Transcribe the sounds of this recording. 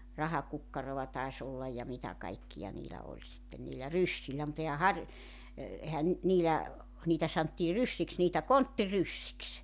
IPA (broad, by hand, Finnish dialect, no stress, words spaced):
rɑhɑkukːɑrow̆ɑ tɑis olːɑj jɑ mitæ kɑikːijɑ niːlæ olʲ sitːen niːlæ rysːilːæ mut ehæ hɑr e ehæn ny̆t niːlæ niːtæ sɑntːiː rysːiks niːtæ kontːirysːiks